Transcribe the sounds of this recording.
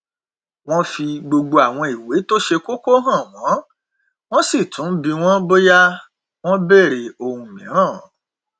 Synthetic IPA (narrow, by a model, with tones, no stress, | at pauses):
w̃ɔ̃˦fi˧ɡ͡bo˧ɡ͡bo˧a˨w̃ɔ̃˧i˨we˨˦to˦ʃe˧ko˦ko˦ɦã˦˨w̃ɔ̃˨˦ | w̃ɔ̃˦si˦˨tʰũ˨˦bi˧w̃ɔ̃˦bo˦ja˦ | w̃ɔ̃˦bɛ˦˨ɾe˨o˧hũ˨mĩ˨˦ɾ̃ãː˦˨